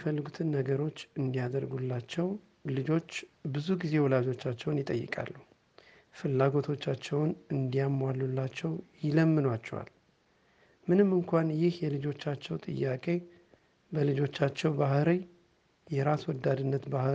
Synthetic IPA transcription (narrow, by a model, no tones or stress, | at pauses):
ifəlːɨɡut̪ʰɨnːəɡəɾo̞t͡ʃːɨnd̪ijad̪əɾɡulːat͡ʃːɛw | lɨd͡ʒo̞t͡ʃːbɨzuɡize̞wɔlad͡ʒo̞t͡ʃːat͡ʃːɛwnjɪt̪ʼəjːɨ̰kʼa̰lːu | fɨlːaɡo̞t̪ʰo̞t͡ʃːat͡ʃːɛwnɨnd̪ijamːwalːulːat͡ʃːɛwjɪləmːɨnwat͡ʃːɛwa̰l | mɨnɨmːɨŋkʷanjɪhjɛlɨd͡ʒo̞t͡ʃːat͡ʃːɛwt̪ʼɨ̰jːakʼe̞ | bəlɨd͡ʒo̞t͡ʃːat͡ʃːɛwbahɾi | jɛɾaswɔd̪ːad̪ɨnːət̪bah